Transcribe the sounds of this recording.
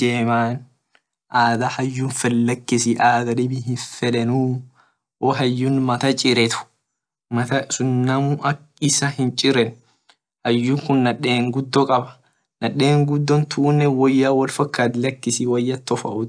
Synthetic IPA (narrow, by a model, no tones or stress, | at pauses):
eːmaːn | ʔaːd̪ɐhɐjːuːnfɐlːɐkːɪsɪʔaːd̪ɐdɪbɪɦɪnfɛᶑɛnuː | ʔoːɦɐjːunmɐt̪ɐt͡ʃʼɪɾɛt̪ʊ̥ | mɐt̪ɐɪsʊnːɐmʊʔɐk | ɪsɐhɪnt͡ʃʼɪɾɛn | hɐjːuːŋkʊnːɐᶑeːŋɡʊd̪ːɔkʼɐbɐ̥ | nɐᶑːe̞ːŋɡʊd̪ːɔnt̪ʰuːnːɛwɐjːaːwɐlfɐkːaːt̪lɐkːɪsiwɐjːɐt̪ːɔfɐʔʊt̪